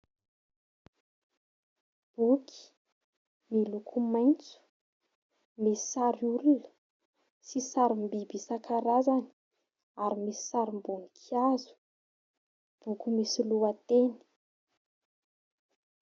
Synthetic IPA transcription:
b̥ukʰi̥ | milukʰumajnt͡su̥ | misi̥saɾululə̥ | sisaɾimbibisakʰaɾazani̥ | aɾimisi̥saɾimbunikʰiazu̥ | b̥ukumisiluat̪eni̥

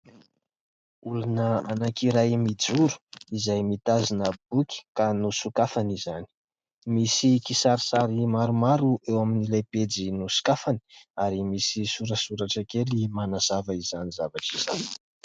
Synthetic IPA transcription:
ulanəanakiɾajmid͡zuɾu̥izajmit̪azinəb̥ukʲi̥kanusukafanizani̥ | misikisaɾisaɾimaɾumaɾuʔewaminilajped͡zinusu̥kafani̥aɾimisisuɾəsuɾaʈ͡ʂakelimanaz̥avəizanizavaʈ͡ʂiz̥ani̥

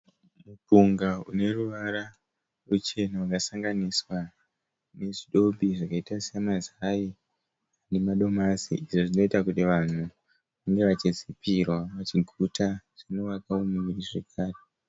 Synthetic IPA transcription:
mupuŋɡaune̞ruʋaɾa | rut͡ʃe̞nawakasaŋɡaniswa | ne̞ʐiɗo̞bʱiʐakaitasiamazai | ane̞maɗo̞masḭiʐoʐino̞itakutiʋan̤u | ʋaŋɡe̞ʋat͡ʃisipʰirwaʋat͡ʃiɡʱutʰaʐ̥ino̞ʋakaumimiriʐekʰaːre

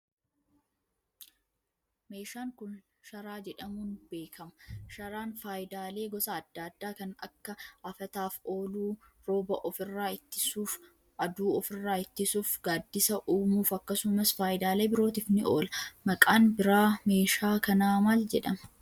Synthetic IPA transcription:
me̞ːʃaːŋkʊn | ʃɐɾaːd͡ʒɛᶑɐmuːnbe̞ːkʰɐmɐ̥ʃɐɾaːnfaːjɪd̪aːle̞ːɡɔsɐːd̪ːaːd̪ːaːkɐnɐ̰kːɐʔɐfɐt̪aːfo̞ːluː | ɾo̞ːbɐʔɔfɪrːaːɪt̪ːɪ̥suːf | ʔɐd̪uːɔfɪrːaːɪt̪ːɪsuːfɡaːd̪ːɪsɐʔuːmuːfɐkːɐsʊmɐsfaːjɪd̪aːle̞ːbɪɾo̞ːt̪ɪfnɪo̰ːlɐmɐkʼaːnbɪɾaːme̞ːʃaːkɐnaːmɐld͡ʒɛᶑɐmɐ̥

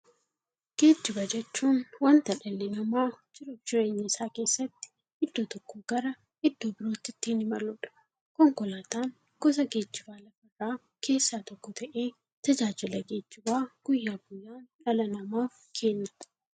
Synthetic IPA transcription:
ɡ̥e̞ːd͡ʒːɪbɐd͡ʒɛt͡ʃːuːnwɐnt̪ɐᶑɐlːɛnɐmaːd͡ʒɪɾʊʃɪɾe̞ːɲːɐɪsaːke̞ːsːɐt̪ːɪ̥ | ɪd̪ːoːt̪ɔkːoːɡ̥ɐɾɐ | ɪd̪ːoːbɪɾo̞ːt̪ːɪt̪ːɪhɪnɪmɐlʊᶑɐ̥ | kɔŋkɔlaːt̪aːn | ɡɔs̬ɐɡe̞ːd͡ʒːɪbaːlɐfɐrːaː | kʰe̞ːsːaːt̪ɔkːɔt̪ʰɐʔe̞ː | t̪ɐd͡ʒaːd͡ʒɪlɐɡe̞ːd͡ʒːɪbaːɡ̥ʊjːaːɡʊjːaːnᶑɐlɐnɐmaːf | kʰe̞ːnːɐ̥

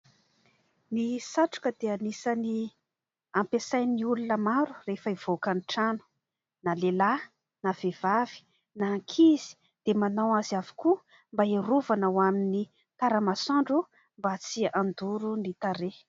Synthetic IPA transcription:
nisaʈ͡ʂu̥kəd̪eanisani | ampesajniulunəmaɾu̥refəiv̥okaniʈ͡ʂanu̥ | nalela | nav̥ev̥avi̥ | naŋkʰiz̥i̥ | d̪̥emanawaziavi̥ku | mbaeɾuvanawamini | t̪aɾəmasaɳɖ͡ʐu | mbat͡siand̪uɾunit̪aɾe

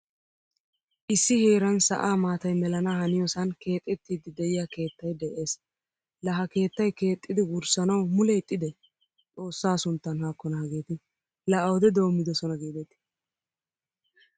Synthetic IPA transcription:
ʔɪsːɪheːɾɐnsɐ̰ʔaːmaːt̪ɐjmɛlɐnahɐnɪjɔsɐnke̞ːt̪ʼːɛt̪ːiːd̪ɪd̪ɛjɪjake̞ːt̪ːɐjd̪ɛʔe̞ːs | lɐɦɐke̞ːt̪ːɐjke̞ːt̪ʼːɪd̪ɪɡʊɾsɐnɐwmʊlɛt̪ʼːɪd̪ɛ | t͡sʼo̞ːsːaːsʊnt̪ːɐnhaːkːɔnɐhɐɡeːt̪ɪ | lɐʔɐwɔd̪ɛd̪o̞ːmːɪd̪ɛsɔnɐɡeːd̪ɛt̪ɪ̥

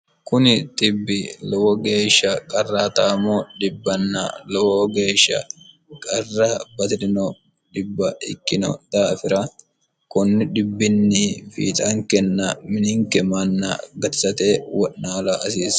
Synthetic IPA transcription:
kʊnɪt̪ɪbːɪlɔwɔɡe̞ːʃːɐkʼɐrːaːt̪aːmɔdɪbːɐnːɐ̰lɔwɔɡe̞ːʃːɐ̰ | kʼɐrːɐbɐt̪ɪdɪnɔ | dɪbːɐɪkːɪnɔ̰d̪̥aːfɪɾɐ | kʊnːɪdɪbːɪnːɪfḭːt̪ʼɐŋkɛnːɐmɪnɪŋkɛmanːɐ̰ɡɐt̪sɐt̪ewɔʔnaːlɐɐsiːs

